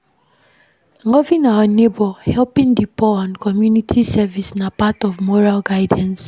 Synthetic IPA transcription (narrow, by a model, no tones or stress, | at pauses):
ŋɔvĩnaɔnebɔhɛlpĩndipɔɔ̃nkɔmjunitʰisɛvisnapatɔvmɔɹalɡaɪdãns